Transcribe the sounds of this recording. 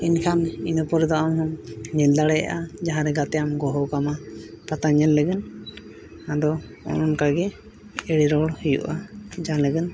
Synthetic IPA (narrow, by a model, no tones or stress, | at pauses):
inkʰaninɔpɔɾɛd̪ɔʔamɦɔŋɲɛld̪aɽɛja̰ʔad͡ʒaɦãɾɛɡat̪ɛjamɡɔɦɔkamapat̪aɲɛlləɡɛn | ãd̪ɔ | ɔ̰nɔnkaɡɛ | ɛɽiɾɔɽhijṵʔad͡ʒaləɡɛn